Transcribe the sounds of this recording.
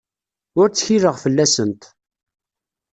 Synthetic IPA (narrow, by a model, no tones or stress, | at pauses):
ʊɾt͡sːçiɾəʁfəlːæsənt̪